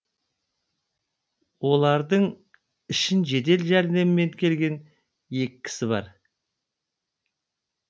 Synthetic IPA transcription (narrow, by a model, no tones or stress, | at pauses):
wo̞lˠɑɾd̪əɴ | ɪʃɪnʒe̞d̪e̞lʒæɾne̞mɪme̞ŋkʲʰe̞lɡʲe̞n | je̞kʲɪ̥kʲʰːɪ̥sɪβɑ̰ɾ